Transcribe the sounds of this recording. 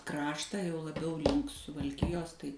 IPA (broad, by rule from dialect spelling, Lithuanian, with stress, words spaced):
ˈkrɑːʃtɑː jɛʊ lˠɐˈbʲɛʊ ˈlʲɪŋk sʊʋɐlʲˈkʲɪjoːs ˈtɐɪ